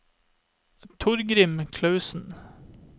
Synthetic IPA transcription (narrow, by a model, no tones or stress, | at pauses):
t̪ʰʊɾɡɾɪmkʰlɑʉsn̩